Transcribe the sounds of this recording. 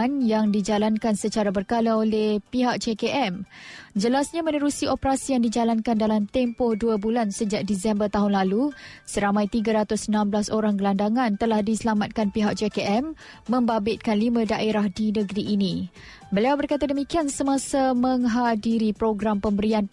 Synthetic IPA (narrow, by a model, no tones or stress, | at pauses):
njaŋdid͡ʒalankansət͡ʃaɾabərkalaolehpiɦak̚t͡ʃekeʔɛmd͡ʒəlasɲamənəɾusiʔopəɾasijaŋdid͡ʒalankandalamt̪ɛmpɔhduabulansəd͡ʒak̚disɛmbərt̪aɦʊnlalusəɾamãjt̪iɡaɾat̪ʊsənãmblasoɾaŋɡəlandaŋãnt̪əlahdisəlamat̪̚kanpiɦak̚t͡ʃekeʔɛmː | ə̃mbabɪt̪̚kanlimãdaʔeɾahdinəɡɾiʔːnĩ | bəliawbərkat̪adəmikiansəmãsamə̃ŋɦadiɾipɾoɡɾampəmbəɾian